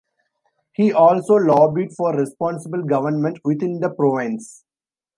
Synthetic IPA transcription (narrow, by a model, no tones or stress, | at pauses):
hiːʔɔːlsoːlɔːbiʈfɔːɾɾɛspɔ̃ːnsɪbəlɡʌʋəɾnmə̃ɳʈʋɪt̪ɪ̃nd̪əpɾoːʋɪ̃ns